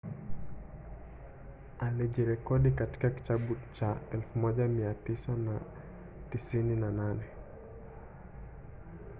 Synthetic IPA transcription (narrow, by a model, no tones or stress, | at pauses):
alid͡ʒiɾɛkɔdikati̥kaki̥t͡ʃabut͡ʃaɛlfumɔd͡ʒamiatisana | tisininananɛ